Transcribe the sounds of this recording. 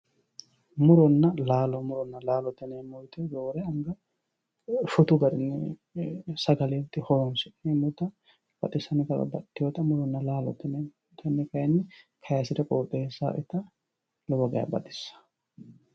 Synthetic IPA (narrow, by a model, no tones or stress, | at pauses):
mʊɾɔnːɐlaːlɔmʊɾɔnːɐlaːlɔt̪ːɛnemɔjt̪ɛd̪oːɾɛɐŋɡɐ | fʊt̪ʊɡɐɾɪnːɛ | sɐɡɐlit̪ːɪhoːnsɪmʊt̪ɐ | b̥ɐt̪ʼɪsɐnɪkɐlɐ̰bɐ̰t̪ːɪjot̪ɐmʊɾɔnːɐlaːlɔ̰t̪ːɪnɛ | t̪ɐnːɛkɐjɐnːɛkʰɐjɐsɪd̪ɐkʼoːt̪ʼeːsːa̰ʔɪt̪ɐ | lɔwɐɡɐjɐ̰bɐ̰d̪ɪsːɐ̥